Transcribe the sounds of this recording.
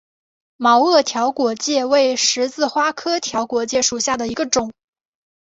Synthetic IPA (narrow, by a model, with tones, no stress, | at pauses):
mɑ˧˥ʊɤ˥˩t̪ʰjɑ˧˥ʊkwɔ˨˩t͡ɕjɛ˥˧we˥˩ɪʂɻ̩˧˥t͡sɹ̩˥˧xwa˥kʰɤ˥t̪ʰjɑ˧˥ʊkwɔ˨˧˥t͡ɕjɛ˥˩ʂu˨˩ɕja˥˩d̪ə˩i˧˥ɡə˧ʈ͡ʂʊ˨˩˦ŋ